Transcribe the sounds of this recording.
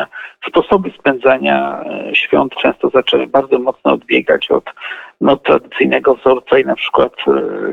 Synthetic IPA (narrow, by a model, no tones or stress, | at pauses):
spɔsɔbɘspɛnd̪zaɲa̰ɕfʲjɔ̰nt̪t͡ʂɛ̃w̃st̪ɔzat͡ʂɛbaɾd̪zɔmɔt̪snɔɔd̪bʲjɛɡa̰t͡ɕɔ̰t̪nɔt̪ːɾa̰d̪ɘt̪sɘjnɛɡɔvzɔɾt̪sainapʂɘ̥kwat̪